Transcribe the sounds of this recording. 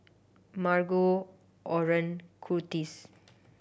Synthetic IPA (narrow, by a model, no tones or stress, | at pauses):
maɾɡo | ɔɾənkʰuɾtis